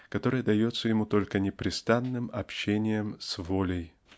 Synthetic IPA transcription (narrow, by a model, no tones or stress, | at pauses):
kɐt̪o̞ɾɨjəd̪ɐjo̞t̪səjɪmut̪o̞lʲkənʲɪpɾʲɪst̪anːɨmɐpɕːenʲɪjəmsvolʲəj